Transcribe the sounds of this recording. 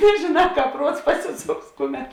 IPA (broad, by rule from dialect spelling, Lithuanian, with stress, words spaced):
nʲɛʒʲeːˌnɑː ˈkɑːp ˈpruɔts ˈpɑːsʲɪˌsoːks ˈkʊˌmʲɛt